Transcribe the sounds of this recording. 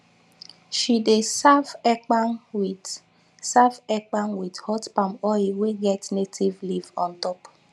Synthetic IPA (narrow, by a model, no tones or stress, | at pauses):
ʃidesavɛk͡pan | savɛk͡panwidhɔtpamɔiweɡɛtnetʰivlivɔ̃ntɔp